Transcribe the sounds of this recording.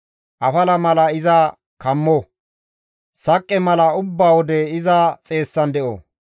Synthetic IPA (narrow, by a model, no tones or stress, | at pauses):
ʔɐfɐlɐmɐlɐɪzɐ | kɐmːɔ | sɐkʼːɛmɐlɐʊbːaːwɔd̪ɛɪzɐt͡sʼe̞ːsːɐnd̪ɛʔɔ̰